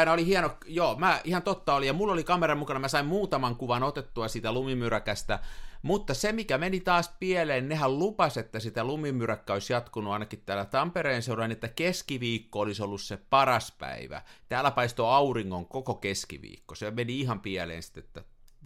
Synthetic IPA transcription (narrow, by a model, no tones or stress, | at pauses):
inɑolihiɛnokjoːmæihɑnt̪ot̪ːɑolijɑmulːolikɑmerɑmukɑnɑmæsɑimmuːt̪ɑmɑŋkuʋɑnot̪et̪ːuɑsiːt̪ælumimyrækæst̪æmut̪ːɑsemikæmenit̪ɑːspiæleːnnehællupɑset̪ːæsit̪ælumimyrækːæoisjɑt̪kunuɑinɑkit̪t̪æːlæt̪ɑmpereːnseunɑinet̪ːækeskiʋiːkːoolisolːussepɑrɑspæ̰iʋæ̰t̪æːlːˑæpɑist̪oɑuriŋːoŋkokokeskḭʋḭːkːosemeniihɑmpiælḛːnsi̥t̪ːet̪ːæ